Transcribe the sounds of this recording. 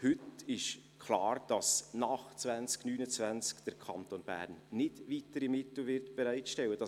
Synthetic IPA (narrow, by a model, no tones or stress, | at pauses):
hʏtɪʃ | kʰlɑːrd̥ɑsnɑχt͡svænt͡sknyːnət͡svænt͡skd̥əɾkʰɑnt̪onb̥æ̰ːɾnːɪd̥vitəɾimɪtl̩vɪɾtb̥ɛɾæɪtʃtɛwəd̥ɑ